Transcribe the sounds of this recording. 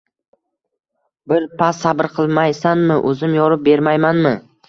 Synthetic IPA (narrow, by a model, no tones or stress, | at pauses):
bɪɾpʰasːabɪɾqʰɨlˠmajsanmɪʔɵzɪmjɒɾɪp̚be̞ɾmajmanmɪ